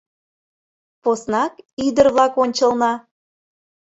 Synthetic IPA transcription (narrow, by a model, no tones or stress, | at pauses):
posnɑkid̪ərβlɑkonʲt͡ɕəlˠnɑ